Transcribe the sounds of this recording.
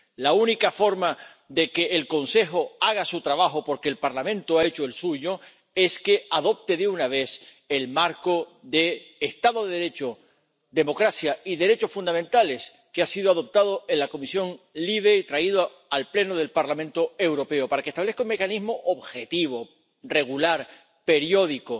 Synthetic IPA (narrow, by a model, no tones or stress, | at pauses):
launikafo̞ɾma | ðe̞ke̞ːlko̞nse̞xoaɣasut̪ɾaβaxopo̞ɾkeːlpaɾlamẽnt̪oae̞t͡ʃoelsuʝo̞ | e̞ske̞aðo̞p̚t̪e̞ðeunaβ̞e̞s | e̞lmaɾkoðe̞ːst̪aðo̞ðeðɾe̞t͡ʃo | d̪e̞mo̞kɾasjaiðe̞ɾe̞t͡ʃo̞sfund̪amẽnt̪ale̞s | keasið̞oaðo̞p̚t̪að̞oe̞nlako̞misjo̞ŋliβ̞e̞it̪ɾaiðo | alple̞noð̞e̞lpaɾlamẽnt̪o̞e̞wɾo̞pe̞opaɾake̞st̪aβle̞θkauŋme̞kanizmoʔoβxe̞t̪iβ̞o̞ | re̞ɣulaɾ | pe̞ɾjo̞ðiko